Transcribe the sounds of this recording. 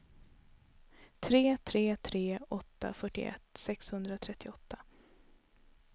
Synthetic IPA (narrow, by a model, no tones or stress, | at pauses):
t̪ʰɾeːt̪ʰɾeːt̪ʰɾeːɔt̪ːa̰fœʈːɪ̰ʔɛ̰t̪ːsɛkshɵnd̪ɾat̪ʰɾɛt̪ːɪɔt̪ʰːa